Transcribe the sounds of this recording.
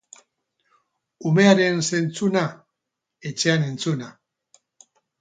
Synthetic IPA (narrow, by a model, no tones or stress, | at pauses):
ume̞aɾe̞nse̞nt͡suna | et͡ʃe̞ane̞nt͡suna